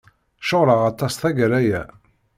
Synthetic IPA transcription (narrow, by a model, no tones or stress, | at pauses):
ʃoʁɾəʁɑt̪ˤːɑsθæɡəɾæjæ̰